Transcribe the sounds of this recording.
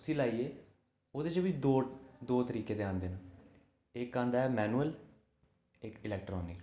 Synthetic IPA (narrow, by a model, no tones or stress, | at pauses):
siːlaːiːeː | oːd̪eːt͡ʃʋid̪oːd̪oːt̪əɾiːkeːd̪eːãːnd̪eːna | ɪkːãːnd̪aːɛːmɛːnuːəl | ɪkɪlɛːk̚ʈɾɔːnɪk